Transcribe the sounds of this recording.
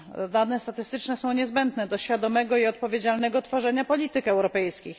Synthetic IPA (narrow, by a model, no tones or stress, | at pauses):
d̪anɛst̪at̪ɘst̪ɘt͡ʂnɛsɔ̃w̃ɲɛzbɛnd̪nɛd̪ɔɕfʲjad̪ɔmɛɡɔiɔt̪̚pɔvʲjed͡ʑalnɛɡɔt̪fɔʐɛɲapɔlʲit̪ɘkɛwɾɔpɛjskʲix